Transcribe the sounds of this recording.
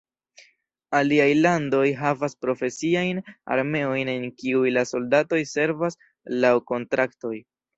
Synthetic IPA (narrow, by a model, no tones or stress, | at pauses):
aliajlando̞jɦavaspɾo̞fe̞siajna̰ɾme̞o̞jne̞nkiujlaso̞ldato̞jse̞ɾvas | lawko̞ntɾakto̞j